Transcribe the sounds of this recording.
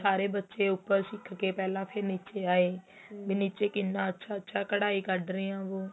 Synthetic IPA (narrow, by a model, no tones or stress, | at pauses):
saːɾeːbətːʃeːʊpːəɾʃɪkʰkeːpɛːlãːpʰɪɾniːt͡ʃeːaːeː | biniːt͡ʃeːkɪnːãːətːʃʰaːətːʃʰaːkəɽaːiːkəɖɾiːãːʋoː